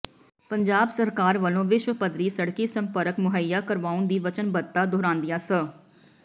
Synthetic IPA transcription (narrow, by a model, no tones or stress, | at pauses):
pəɲd͡ʒaːbsəɾkaːɾʋəlõːʋɪʃwəpəd̪ɾiːsəɽkiːsəmpəɾəkmʊɦəjːaːkəɾʋaːũnd̪iːʋət͡ʃənbəd̪t̪ːaːd̪ʱoːɾãːnd̪ɪjaːsə